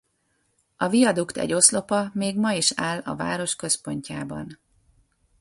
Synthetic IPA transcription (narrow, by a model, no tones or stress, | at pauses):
ɒvijɒd̪ukt̪ɛ̰ɟo̞slo̞pɒmeːɡmɒiʃaːlɒ̰va̰ːɾo̞ʃkø̞spo̞ɲcaːbɒ̰n